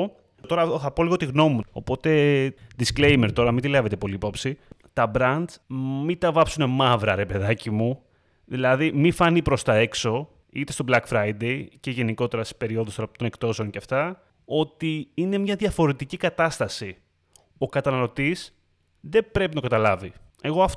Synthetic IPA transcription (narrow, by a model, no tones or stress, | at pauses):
t̪o̞ɾɐoθɐpo̞liɣot̪iɣno̞muo̞̰po̞t̪e̞d̪iskle̞jmeɾt̪o̞ɾɐmind̪ilɐvet̪e̞po̞liːpo̞psit̪ɐbɾɐnd̪mit̪ɐvɐpsune̞mɐvɾɐɾe̞pe̞ðɐcimu | ðilɐðimifɐnipɾo̞st̪ɐe̞kso̞ | it̪est̪o̞blɐkfɾɐjd̪e̞ice̞ʝe̞niko̞t̪e̞ɾɐsi̥spe̞ɾio̞ðost̪oɾɐpot̪o̞ne̞kt̪o̞se̞o̞nceɐft̪ɐ | o̞t̪iine̞mɲɐðʝɐfo̞ɾe̞t̪icikɐt̪ɐst̪ɐsi | o̞kɐt̪ɐnɐlo̞t̪is | ðe̞b̥ɾe̞pinɐt̪okɐt̪ɐlɐvi | e̞ɣo̞ɐf